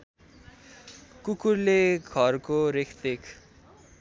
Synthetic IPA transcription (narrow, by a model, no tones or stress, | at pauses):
kukurleɡʱʌrkoɾekʰt̪ekʰ